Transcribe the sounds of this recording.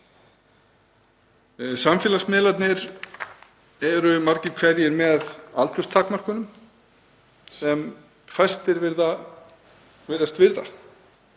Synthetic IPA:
samfjɛːlasmɪːlat̪nɪɾ | ɛɾʏmaɾ̥cɪ̥kʰvɛɾjɪɾmɛðalt̪ʰʏst̪ʰaːkmar̥kʏnʏm | sɛm | fajst̪ɪɾvɪɾða | vɪɾðast̪vɪɾða̰

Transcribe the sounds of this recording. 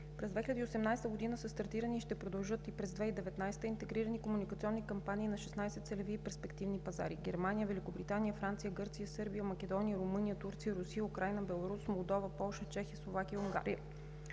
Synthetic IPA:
pɾɛzd̪vɛxilʲɛd̪iosɛmnajst̪əɡod̪inəsəst̪ɐɾt̪iɾəniʃt̪ɛpɾod̪ɐlˠʒɤt̪ipɾɛzd̪vɛid̪ɛvɛt̪najst̪əint̪ɛɡɾiɾənikomunikət̪siɔnːikɐmpaniːnɐʃɛ̥snajsɛt̪sɛlɛviːpɛɾspɛkt̪ivnipɐza̰ɾiɡɛɾmanijəvɛlikobɾit̪anijəfɾant̪sijəɡɤɾt̪sijəsɤɾbijəmɐkɛd̪ɔnijəɾʊmɤnijət̪uɾt̪sijəɾusijəukɾajnəbɛlˠoɾusmolˠd̪ɔvəpɔlˠʃət͡ʃɛxiəslˠovak̟ijəuŋɡa̰ɾḭjə

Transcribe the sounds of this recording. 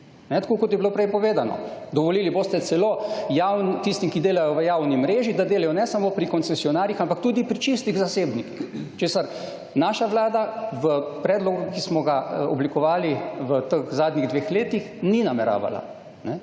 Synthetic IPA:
nɛt̪ḁkoːkot̪jɛbilopɾɛjpɔʋeːd̪anɔ̰d̪ɔʋɔliːliboːst̪ɛt̪sɛlojawnt̪ist̪imkid̪eːlajɔʋəjaːwnimɾeːʒid̪ad̪eːlajɔnɛsamoːpɾikɔnsɛsiɔnaːɾjixampakt̪uːd̪ipɾit͡ʃist̪iɣzaseːbnikixt͡ʃeːsaɾ | naːʃaʋlaːd̪aʋəpɾɛːd̪lɔɡukismɔɡaɔblikɔʋaːliʋət̪əkzaːd̪nʲiɣd̪ʋeːxleːt̪ixninamɛɾa̰ːʋa̰la̰ | nɛ

